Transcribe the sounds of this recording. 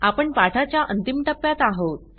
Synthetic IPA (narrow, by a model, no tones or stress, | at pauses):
apəɳpaʈʰat͡ɕjaʔənt̪imʈəpːjat̪aɦot̪